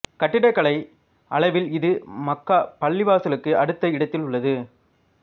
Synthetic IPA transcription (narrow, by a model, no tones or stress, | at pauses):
kɐʈːɪɽɐɪkːɐɭɐɪ | ʔɐɭɐɪʋɪlɪðɯmɐkːaːpɐɭːɪʋaːsɐlɯkːɯʔɐɽɯt̪ːɐɪɽɐt̪ːɪlʊɭːɐðɯ